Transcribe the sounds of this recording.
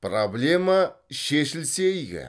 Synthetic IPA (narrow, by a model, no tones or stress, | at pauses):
problʲe̞maʃeʃɪlsejɡʲɪ̰